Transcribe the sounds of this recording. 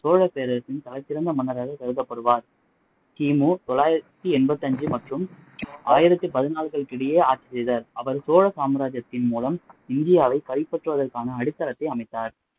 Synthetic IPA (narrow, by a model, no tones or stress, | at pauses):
soːɻɐpeːɾɐɐsɪnt̪ɐlɐɪt̪ːɪɾɐnd̪ɐmʊnːɐɾaːɣɐsɐɾɯðɐpːɐɽɯʋaːɾ | kiːmuːt̪ɔɭːaːjɪɾɐt̪ːɯɛnbɐt̪ːɐɲd͡ʒɯmɐʈrɯm | ʔaːjɪɾɐt̪ːɯpɐðɪnaːɭɣɐɭkɪɽɪjeːaːt͡ʃːisɛjðaːɾɐʋɐɾsoːɻɐsaːmɐɾaːd͡ʒɐt̪ːɪnmuːlɐmɪnd̪ɪjaːʋɐɪkɐɾɪpːɐʈrɯʋɐðɐɾkaːnɐːɽɯt̪ːɐlɐt̪ːɐɪɐmɐɪt̪ːaːɾ